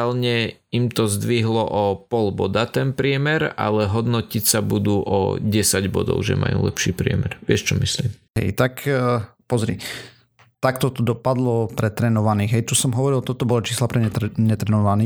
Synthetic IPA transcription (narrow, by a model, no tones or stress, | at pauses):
lɲɛ | imt̪ɔzd̪ʋiɦlɔʔɔpɔlbɔd̪at̪ɛnpɾɪɛmɛɾa̰lɛɦɔd̪nɔcicsabud̪uːʔɔ̰ɟɛsaɟbɔd̪ɔ̰ʊʒɛ̰mʔa̰jṵːlɛ̰pʃiːpɾɪɛ̰mɛɾʋɪɛʃt͡ʃɔmisliːmɦɛ̰jt̪akpɔzɾḭ | t̪akt̪ɔt̪ɔd̪ɔpad̪lɔpɾɛt̪ɾɛnɔʋaniːɣɦɛjt̪usɔmɦɔʋɔɾilˠt̪ɔt̪ɔbɔlɔt͡ʃiːslapɾɛɲɛɲɛt̪ɾɛnɔʋaniː